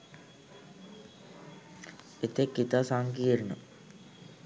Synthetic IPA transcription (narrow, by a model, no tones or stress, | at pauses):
et̪ekːit̪asaŋkiːɾnə